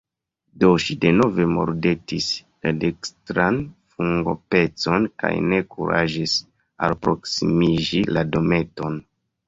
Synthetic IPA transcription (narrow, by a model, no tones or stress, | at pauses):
do̞ʃide̞no̞ve̞mo̞̰ɾde̞tis | ladekstɾanfuŋɡo̞̰pe̞t͡so̞nka̰jne̞kṵɾa̰ʒis | a̰lpɾo̞ksimiʒilado̞me̞to̞n